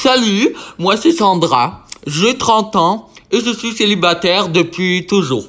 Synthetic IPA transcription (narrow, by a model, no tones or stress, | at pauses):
salymwasesɑ̃d̪ʁaʒet̪χɑ̃t̪ɑ̃eʒəsɥiselibat̪ɛʁd̪əpɥit̪uʒṵːʁ